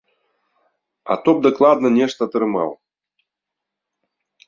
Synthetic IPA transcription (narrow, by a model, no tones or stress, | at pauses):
a̰t̪ɔb̚d̪ɐklˠad̪nɐnʲɛʂt̪ɐt̪ɾɨma̰w